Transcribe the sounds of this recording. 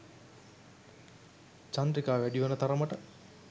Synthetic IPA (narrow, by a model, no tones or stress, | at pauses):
t͡ʃand̪ɾikaːʋæɖiʋɐnət̪aɾəməʈə